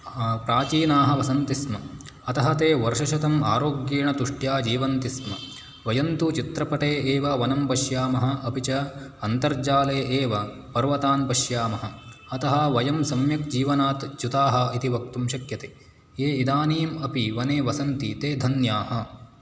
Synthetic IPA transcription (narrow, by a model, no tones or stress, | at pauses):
pɾaːt͡ʃiːnaːɦɐ̆ʋɐsɐnt̪ismɐ | ɐt̪ɐɦɐt̪eːʋɐɾʃɐʃɐt̪ɐmaːɾoːɡjiːɳɐt̪uʂʈjaːd͡ʒiːʋɐnt̪ismɐ | ʋɐjɐnt̪ut͡ʃit̪ɾɐpɐʈeːeːʋɐʋɐnɐmpɐʃjaːmɐɦɐ̆ʔɐpit͡ʃɐɐnt̪ɐɾd͡ʒaːleːʔeːʋɐ | pɐɾʋɐt̪aːnpɐʃjaːmɐɦɐ̆ | ɐt̪ɐɦɐʋɐjɐmsɐmjɐkd͡ʒiːʋɐnaːt̪t͡ʃut̪aːɦɐ̆it̪iʋɐk̚t̪umʃɐkjɐt̪eː | eːid̪aːniːmɐpiʋɐneːʋɐsɐnt̪it̪eːd̪ʱɐnjaːhɐ